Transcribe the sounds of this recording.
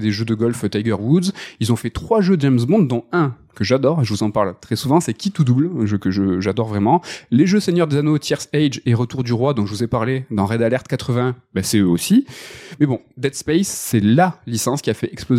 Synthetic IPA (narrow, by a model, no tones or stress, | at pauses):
d̪eʒød̪əɡɔlft̪ajɡœʁwud̪zilzɔ̃fɛt̪χwaʒøəd͡ʒɛmzbɔ̃d̪ːɔ̃ɛ̃ | kəʒad̪ɔʁɛʒəvuzɑ̃paʁlt̪χɛsuvɑ̃sɛkʲit̪ud̪ublɛ̃ʒøkəʒəʒad̪ɔʁvʁɛmɑ̃leʒøseɲjœʁd̪ezanot̪ʰjɛʁsɛjd͡ʒeʁət̪uʁd̪yʁwad̪ɔ̃ʒəvuzepaʁled̪ɑ̃ʁɛd̪alɛʁt̪kat̪χəvɛ̃basɛøosimɛbɔ̃d̪ɛt̪spɛjsːɛlalisɑ̃skʲiafɛʔɛksploz